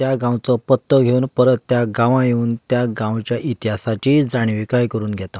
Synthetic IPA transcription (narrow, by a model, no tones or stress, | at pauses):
jaɡãwt͡sɔpət̪ːəɡʱeuːnpəɾət̪ːjaɡãʋãjeuːnt̪jaɡãwt͡ɕjaʔit̪iɦasat͡ɕiːd͡zaɽ̃iʋikajkəɾuːnɡʱjɛt̪a